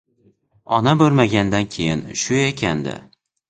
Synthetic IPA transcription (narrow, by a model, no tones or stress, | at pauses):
ɒnabɵɾmaɡʲand̪ankʲʰe̞jɪnʃʊekʲʰand̪ɪ̰